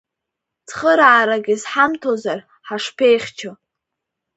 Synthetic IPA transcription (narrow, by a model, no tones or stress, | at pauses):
t͡sʰχəɾaʕːɾaɡʲizħamtʰozar | ħaʂpʰe̞jχʲt͡ʃʰo